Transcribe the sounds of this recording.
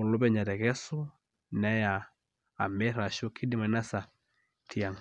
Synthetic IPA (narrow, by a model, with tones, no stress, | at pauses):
u˨lu˦bɛ˦ɲa˨ɾɛ˨ɣɛ˦su˦ | nɛ˦jaː˨ | mɛ˦ɾa˨ʃu˦kʰi˦di˨ma˨na˦sa˨ | tʰi˨a˨ŋ